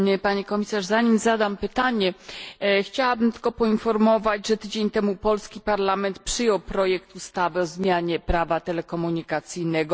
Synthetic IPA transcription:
paɲekɔmʲisaʐzaɲimzad̪ampɘt̪aɲɛ | xt͡ɕawabɘmt̪ɘlkɔpɔinfɔɾmɔvad͡ʑʐɛt̪ɘd͡ʑeɲt̪ɛmupɔlskʲipaɾlamɛnt̪pʂɘjɔwpɾɔjɛkt̪ust̪avɘɔzmʲjaɲɛpɾavat̪ɛlɛkɔmuɲikat̪sɘjnɛɡɔ

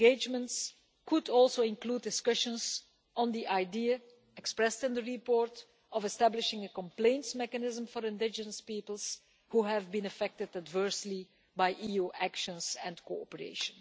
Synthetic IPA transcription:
ɡed͡ʒmə̃nts | kʊdɔlˠsoɪ̃nkluːd̚ɪskʌʃə̃nz | ə̃nd̪iʔaɪdiə | ɛkspɹɛstɪ̃nd̪əɹipɔːɹt | ɔvɛstæblɪʃɪ̃ŋəkɔ̃mplẽɪ̃ntsmɛkənɪzə̃mfɔɹɪ̃ndɪd͡ʒənəspipəlˠs | huːɦævbĩnəfɛk̚tɪdədvɜɹsli | bajʔijuːʔækʃə̃nzɛ̃nkoɔ̰pəɹḛɪʃə̃n

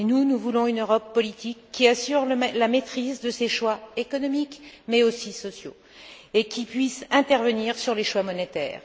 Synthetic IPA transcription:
enunuvulɔ̃ynøʁɔpːɔlit̪ikːiasyʁllamet̪χizd̪əseʃwaekɔnɔmikmɛosisɔsjo̰ | ekʲipɥisɛ̃t̪ɛʁvəniʁsyʁleʃwamɔnet̪ɛ̰ːʁ

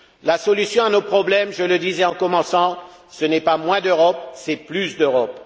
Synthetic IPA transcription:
lasɔlysjɔ̃anopχɔblɛmʒələd̪izɛɑ̃kɔmɑ̃sɑ̃sənɛpamwɛ̃d̪øʁɔp̚sɛplysd̪øʁɔp

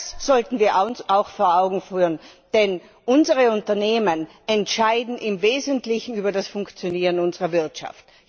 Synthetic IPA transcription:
sz̥ɔltn̩viːɐʔaʊnsaʊxfoːɐaʊɡŋ̩fyːʁənd̥ɛn | ʔʊnzəʁəʊntɐneːmən | ɛntʃaɪdn̩ʔɪmveːzəntlɪçn̩yːbɐdasfʊŋkt͡sjoniːʁənʊnzəʁɐvɪɐtʃa̰ft

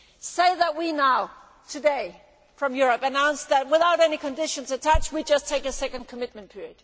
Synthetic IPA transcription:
seɪðət̚winaʊ | tʰɨdeɪ | fɹʌ̃mjʊɹɨpɨnãʊ̃nsðɨt̚wɪθaʊɾɛnikɨ̃ndɪʃɨ̃nzɨtʰæt͡ʃwid͡ʒʌstʰeɪkɨsɛkɨ̃nkʰəmɪt̚mɨ̃n̩pʰɪɹiɨd̥

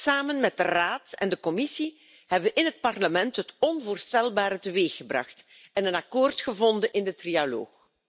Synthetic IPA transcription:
saːmənmɛt̚dəraːtɛ̰ndəkɔmɪsi | hɛbəʋəʔɪnɦət̚pɑrləmɛntɦətɔnvoːrstɛlˠbaːɾətəʋeːxəbrɑ̰xt | ɛnənakoːrtxəvɔndənʔɪndətrialo̰ːx

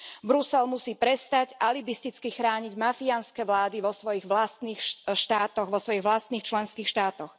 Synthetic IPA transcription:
bɾusɛlmusiːpɾɛst̪aɟʔalibist̪it͡skixɾaːɲiɟmafianskɛʋlaːd̪iʋɔsʋɔjiɣʋlast̪niːxʃt̪aːt̪ɔɣʋɔsʋɔjiɣʋlast̪niːxt͡ʃlɛnskiːxʃt̪aːt̪ɔx

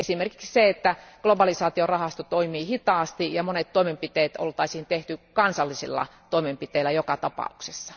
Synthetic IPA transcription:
esimerki̥ksseet̪ːæɡ̥lobɑlisɑːt̪iorɑhɑst̪ot̪oimiːhit̪ɑːst̪ijɑmonet̪t̪oimempit̪eːt̪o̰lt̪ɑisiːnt̪eht̪ykɑnsɑlːisḭlːɑ̰t̪oimempit̪eilːˑæjokɑt̪ɑpɑ̰uksesːɑ̥

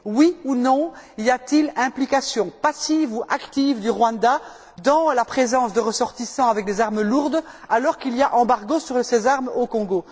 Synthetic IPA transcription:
wiunɔ̃iljat̪ilɛ̃plikasjɔ̃pasivuʔakt̪ivd̪yʁwãd̪a | d̪ɑ̃lapχezɑ̃sd̪əʁəsɔʁt̪isɑ̃avɛk̚d̪ezaʁməluʁd̪alɔʁkilijaʔɑ̃baʁɡosyʁsezaʁmokɔ̃ɡo

